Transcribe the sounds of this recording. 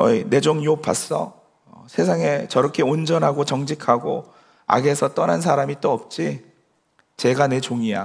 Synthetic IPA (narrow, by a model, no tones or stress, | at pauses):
ʌine̞d͡ʑoŋjopʰa̰s͈ʌ̰ | sʰesʰaŋe̞t͡ɕʌɾʌkʰe̞ond͡ʑʌnɦaɡot͡ɕʌŋd͡ʑikʰaɡo | a̰ɡe̞sʰʌt͈ʌnans̬ʰaɾamit͈oʌp̚t͡ɕ͈i | t͡ɕe̞ɡane̞t͡ɕoŋija̰